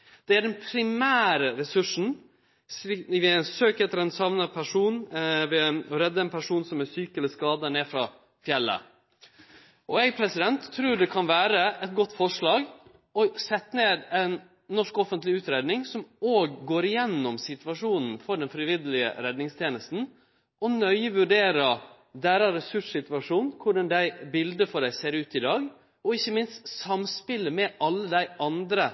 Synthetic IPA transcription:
d̪̥ɛæɖɛnpʰɾɪmæːɾəɾɛsʉʂn̩ | ʋɪænsøːkɛt̪ːəɾɛnsɑʋnəpʰæʂuːnʋɪɔɾɛd̪ːəɛnpʰæʂuːnsɔmæɾsyːkəɛləskɑːd̪əneːfɾɑː | fjɛlːə̰ | ʔɔɛɡpʰɾɛsɪd̪ɛnt̪ʰːɾʉːɖɛkʰɑnʋæːɾəɛt̪̚ɡɔt̪ːfɔʂɭɑːɡ | ɔsɛt̪ːəneːd̪ɛnː | ɔʂkɔfənt̪lɪʉːt̪ɾeːd̪nɪŋsɔmoːɡːoːɾɪjɛnːɔmsɪt̪ʋɑʂuːnn̩fɔɖɛnfɾɪʋɪd̪əlɪə̰ɾɛd̪nɪŋst̪ʰjeːnəst̪n̩ | ʔɔnœʏəʋʉɖeːɾə | d̪æːɾɑɾɛsʉʂsɪt̪ʋɑʂuːnkʰʊɖɑnd̪æɪbɪld̪əfɔɖæɪseːɾʉːt̪ɪd̪ɑːɡ | ɔɪçːəmɪnst̪sɑmspɪləmɛʔɑlːəd̪æɪɑnd̪ɾə

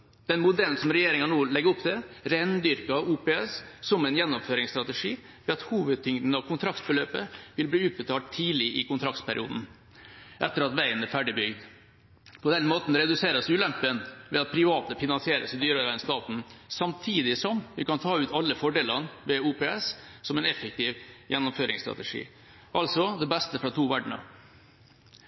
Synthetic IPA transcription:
d̪̥ɛnmʊd̪ɛln̩sɔmɾɛjeːɾɪŋɑnoːlɛɡəʊpt̪ʰɛɾænd̪ʏɾkɑuːpeːɛssɔmɛɪnjɛnːɔmføːɾɪŋst̪ɾɑt̪əʂiː | ʋɛɑt̪huːʋəd̪̚t̪ʰʏŋd̪n̩ɑʋkʰʊnt̪ʰɾɑkt̪bəløːpəʋɪlbliːʉːt̪̚bət̪ʰɑːʈt̪ʰːiːlɪʔɪkʊnt̪ʰɾɑk̚t̪pʰæɾɪ̰ṵːd̪n̩ | ʔɛt̪ːəɾɑt̪ʋæɪənæfæɖɪbʏɡd̪ | pʰɔd̪ɛnmoːt̪n̩ɾɛd̪ʉseːɾəsʉːlɛmpənʋɛ̰ɑt̪̚pʰɾɪʋɑːt̪əfɪnɑnsɪeːɾə̰səd̪yːɾəɾæɪnst̪ɑːt̪n̩sɑmt̪ʰiːd̪ɪsɔmʋɪkɑnt̪ʰɑːʉːt̪ɑlːəfɔɖeːlənʋɛuːpeːɛssɔmɛnɛfək̚t̪ɪʋjʔɛnːʊmføːɾɪŋst̪ɾɑ̰t̪ɛʂḭː | ʔɑlsɔd̪ɛbɛst̪əfɾɑt̪ʰuːʋæɖɳə̰

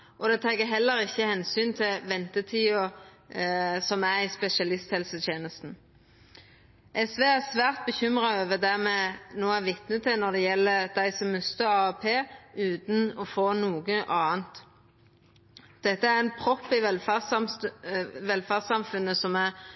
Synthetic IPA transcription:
ʔɔd̪ɛt̪ʰɑːɡəɦɛlːəɾɪçːəhɛnsyːnt̪ʰɪlʋɛnt̪ət̪ʰiːʊ | sɔmæɾɪspɛʃɑlɪst̪hɛlsət̪ʰjeːnəst̪n̩ | ʔɛsʋeːæʁsʋæːʁt̪̚bəçʏmʁɑøːʋəd̪æmɛnoːæʋɪt̪nət̪ʰɪnɔd̪ɛjɛlːəd̪̥æɪsɔmːʉst̪əɾɑɛpʰeːʉːt̪n̩ɔfoːnuːɡəʔɑːənt̪ | d̪̥ɛt̪ːəæɾɛnpʰɾɔpːɪʋɛl | ʋɛlfæsɑmfʉnːəsɔmæ

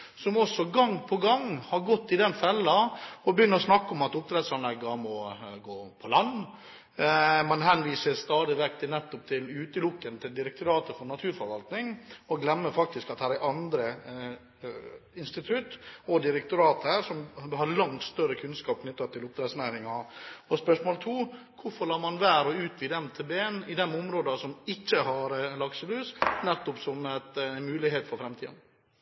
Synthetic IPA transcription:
sɔmɔsːɔɡɑŋːpʰɔɡɑŋhɑɾɡɔt̪ːɪd̪ɛnfɛlːɑɔbəjʏnːəɾɔsnɑkːɔmɑt̪ʊp̚t̪ʰɾɛd̪sɑnlɛɡːɑmɔɡoːpʰɔlɑnː | mɑnhɛnʋiːsəɾst̪ɑːd̪ɪʋɛkt̪ʰɪnɛt̪ːɔp̚t̪ʰɪlʉːt̪əlʊkːənt̪ʰɪld̪ɪɾɛkt̪ʰʊɾɑːt̪əfɔɾnɑt̪ʰʉːɾfɔɾʋɑlt̪nɪŋɔɡlɛmːəfɑk̚t̪ɪskɑt̪̚hæːɾæɾʔɑnd̪ɾə | ɪnst̪ɪt̪ʰʉt̪ːɔd̪ɪɾɛk̚t̪ʊɾɑːt̪əhæːɾʂɔmhɑɾlɑŋt̪st̪œɾəkʰʉnskɑːp̚kʰnʏt̪ːɑt̪ʰːɪlʊp̚t̪ɾɛsnæɪɾɪŋɑɔspœʂmoːlt̪ʰuː | kʰʊfɔɾɭɑːɾmɑnʋæːɾɔʉːt̪ʋid̪ɛmt̪ʰɛbeːnɪd̪ɛnʊmɾoːd̪ɑsɔmɪçːəɦɑɾlɑɡsəlʉːsnɛt̪ːɔpsɔmæt̪nmʉːlɪɦeːt̪fɔɾfɾɛmt̪ʰḭːn

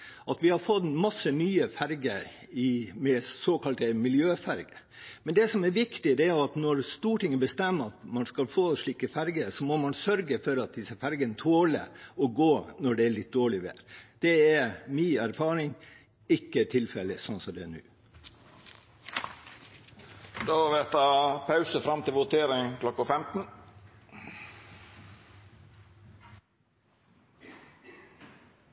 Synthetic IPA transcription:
ʔɑt̪ʋɪhɑɾfɔt̪mɑsənyːəfæɾɡəɾ | ɪmɛsoːkʰɑlt̪əmɪljøːfæɾɡə | mɛnd̪ɛsɔmɛɾʋɪkt̪ɪd̪ɛæʊɑt̪nɔɾst̪uːʈʰɪŋːəbəst̪ɛmːɑt̪mɑnskɑlfoːʂɭiːkəfæɾɡəɾsɔmɔmɑnsœɾɡəfɔɾɑt̪̚d̪ɪsəfæɾɡənət̪ʰoːlə̰ɔɡoːnɔɖɛæɭɪt̪̚d̪oːɭɪʋḛːɾd̪̥ɛɛmiːæɾfɑːɾɪŋ | ɪkːət̪ʰɪlfɛləsɔnsɔd̪ɛænʉ̰ː | d̪oʋɛt̪ʰɑːpʰɑʉsəfɾɑmt̪ʰɪlʋʊt̪ʰeːɾɪŋkʰlɔkːəfɛmt̪n̩

